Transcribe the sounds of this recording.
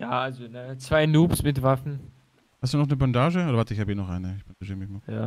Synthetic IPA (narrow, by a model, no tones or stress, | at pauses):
jaːʔalzonət͡sv̥aɪnuːpsmɪtvafn̩ | hastd̥uːnɔχnəbandaːʒəoːdɐvatəɪçhaːbiːnɔχʔa̰ɪnəɪçb̥and̥aʒiːʁəmɪçmajaː